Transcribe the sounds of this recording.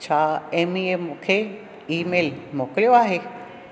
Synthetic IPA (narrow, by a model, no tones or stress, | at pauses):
t͡ɕʰaemiemũːkʰe | iːmeːlmoːkəlijoaːɦe